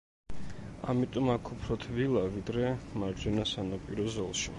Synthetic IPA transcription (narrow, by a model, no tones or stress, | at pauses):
a̰mit̪ʼɔmakʰupʰɾɔt̪ʰvilˠavid̪ɾɛmaɾd͡ʒɛnasanɔpʼiɾɔzɔlˠʃḭ